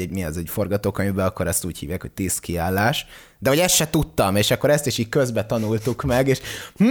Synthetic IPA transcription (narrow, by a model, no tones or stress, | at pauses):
ɛmiɛzɛɟfo̞rɡɒt̪oːkøɲvbɛɒkːo̞ɾɛst̪uːchḭːvjaːkhoc̚t̪iːskiaːlːaːʃ | d̪ɛɦɒɟɛst̪ʃɛt̪ut̪ːɒmeːʃɒkːo̞ɾɛst̪iʃiːc̚køzbɛt̪ɒnult̪ukmɛɡeːʃm